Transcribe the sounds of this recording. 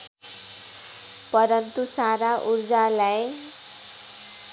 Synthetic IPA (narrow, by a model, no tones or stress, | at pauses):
pʌɾʌnt̪usaɾaʔurd͡zalaj